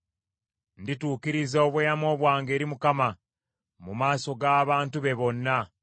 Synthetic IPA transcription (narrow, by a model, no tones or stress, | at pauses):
ndituːkiɾizooβwjamo̞ːβwaːŋɡe̞ːɾimukama | mumaːso̞ɡaːβaːntuβe̞βo̞nːa